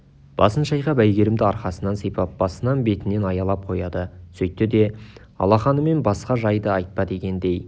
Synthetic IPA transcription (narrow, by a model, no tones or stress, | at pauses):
b̥ɑ̰sənʃɑjqɑbæjɡʲe̞ɾɪmd̪ɪɑɾqɑsənɑnsijpɑp̚b̥ɑsənɑnbe̞t̪ɪne̞nɑjɑlˠɑp̚qʰo̞jɑd̪əsɵjt̪ːɪd̪e̞ | ɑ̰lˠɑχɑnəme̞nbɑsqɑʒɑjd̪əɑjt̪̚pɑd̪e̞kʲe̞nd̪e̞j